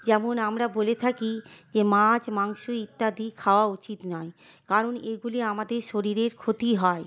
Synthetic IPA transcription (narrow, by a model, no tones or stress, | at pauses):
d͡ʑɛmonamɾabolet̪ʰakid͡ʑemãd͡ʑmaŋʃuit̪ːad̪ikʰaoaut͡ɕit̪nɔe | kaɾoneɡuliamad̪eɾʃoɾiɾeɾkʰot̪iɦɔe